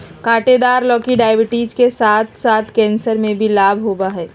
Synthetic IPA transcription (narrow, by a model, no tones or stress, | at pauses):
kaːʈed̪aːɾlɔːkiɖaːɪbɪʈid͡ʒkesaːt̪ʰsaːt̪ʰkɛ̃ːnsəɾmẽbʱilaːbʱɦobaɦɛː